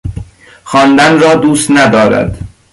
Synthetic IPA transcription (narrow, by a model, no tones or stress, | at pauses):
xɒːnd̪ænrɒːd̪uːst̪næd̪ɒːɾæ̰d̪̥